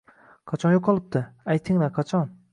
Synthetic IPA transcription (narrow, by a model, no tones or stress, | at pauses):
qʰɑt͡ʃʰɒnjoqʰːɑlˠɪp̚t̪ʰɪajt̪ʰːɪŋlaqʰɑt͡ʃʰɒn